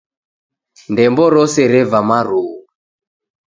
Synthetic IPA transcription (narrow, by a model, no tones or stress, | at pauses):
ndɛmbɔɾɔsɛɾɛvamaɾuu